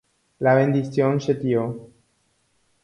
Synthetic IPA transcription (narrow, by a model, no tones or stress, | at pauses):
laβẽnd̪iθjonset̪jo